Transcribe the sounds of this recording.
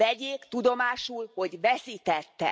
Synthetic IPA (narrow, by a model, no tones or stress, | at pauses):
ɛɟeːkt̪ud̪o̞maːʃulho̞ɟvɛsiːt̪ɛt̪ːɛ̰